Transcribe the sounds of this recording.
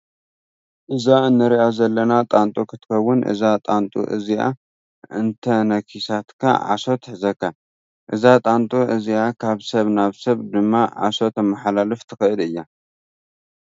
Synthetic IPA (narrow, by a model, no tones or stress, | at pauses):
ʔɨzaɨnːɨɾiʔazɐlːɐnat̪ʼant̪ʼokʰɨt̪ʰɨ̥kɐwːʊnʔɨ̰zat̪ʼant̪ʼṵʔɨ̰zia̰ | ʔɨnt̪ʰɐnɐkʰisat̪kʰa̰ʕa̰so̞t̪ħɨzɐkʰːa | ʔɨzat̪ʼant̪ʼuʔɨziakʰaβsɐβnaβsɐβd̪ɨmːaʕa̰so̞t̪ɐmːaħalalɨft̪ʰɨxɨʔɨlɨjːa